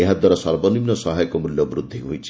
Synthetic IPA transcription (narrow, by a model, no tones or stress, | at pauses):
eɦad̪waɾɔsɔɾbɔnimnɔsɔɦajɔkɔmuljɔbɾud̪ʱːiɦojt͡ʃʰi̥